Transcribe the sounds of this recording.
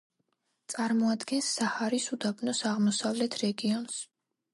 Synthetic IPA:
t̪sʼaɾmɔad̪ɡɛnsːahaɾisud̪abnɔsaʁmɔsavlɛt̪ʰɾɛɡiɔns

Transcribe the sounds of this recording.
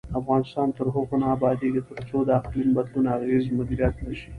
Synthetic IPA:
afɣɑːnɪst̪ɑːnt̪əɾɦoxʊnaːbɑd̪iket̪əɾt͡ʃod̪aaqlimbɐd̪lunaɣezmʊd̪iɾijat̪naʃi̥

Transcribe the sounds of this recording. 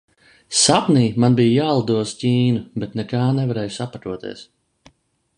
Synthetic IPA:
sapniːmanbijjaːlˠd̪uɔscʲiːnubet̪nɛkaːnɛvaɾɛːjusapat̪uɔt̪ḭɛs

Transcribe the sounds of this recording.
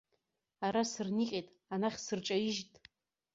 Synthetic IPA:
aɾasɨrniqʲʼejtʼ | anaχʲsɨrt͡ʃʼaɪʒtʼ

